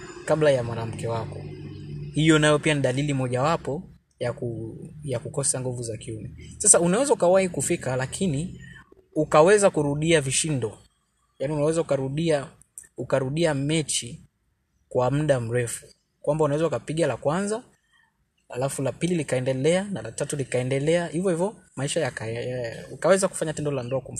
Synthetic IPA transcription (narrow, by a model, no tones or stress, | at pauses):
kaɓlajamwaɾam̩kɛwakɔ̰ | hijɔnajɔpianiɗalilimɔʄawapɔ | jakujakukɔsaŋɡuvuzakiumɛsasaunawɛzaukawahikufikalakʰini | ukawɛzakuɾuɗiaviʃindɔ | jaːniunawɛzaukaɾuɗia | ukaɾuɗiamɛt͡ʃi | kwam̩ɗam̩ɾɛfu̥ | kwambaunawɛzaukapiɠalakwanza | ha̰lafulapililikaɛndɛlɛanalatatulikaɛndɛlɛahivjɔhivɔmaiʃajak | ukawɛzaku̥faɲatɛndɔlandɔakum̩